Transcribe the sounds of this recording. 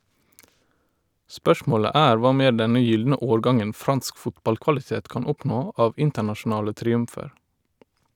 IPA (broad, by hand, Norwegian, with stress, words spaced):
ˈspœʃmoːɭə ˈæːɾ ˈʋɑː ˈmeː ˈɖɛnə ˈjʏldnə ˈoːɹˌɡɑŋən ˈfɾɑnsk ˈfʊtbɑlkʋɑlɪˌteːt ˈkɑːn ˈɔpnoː ˈʔɑːʋ ˈɪntəɳɑʃʊˌnɑːlə tɾɪˈʉmfəɹ